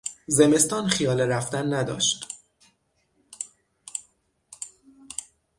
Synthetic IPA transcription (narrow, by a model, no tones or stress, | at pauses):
ze̞me̞st̪ɒːnxijɒːleɾæft̪ænːæd̪ɒ̰ːʃt̪